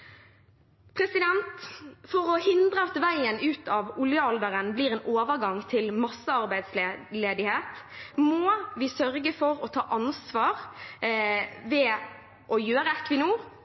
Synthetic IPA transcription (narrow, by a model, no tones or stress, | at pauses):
pʰɾɛsɪd̪ɛnt̪fɔʁɔhɪnd̪ʁəɑt̪ʋæɪənʉːt̪ʰɑʋʊljəɔld̪əʁənbliːɾeːnʔoːʋəʁɡɑŋt̪ʰɪlmɑsːəɑʁbæɪd̪slleːd̪ɪheːt̪moːʋɪsœɾɡəfɔɾɔt̪ʰɑːʔɑnsʋɑːʁ | ʋɛ | ʔɔjøːɾəɛkːʋɪnuː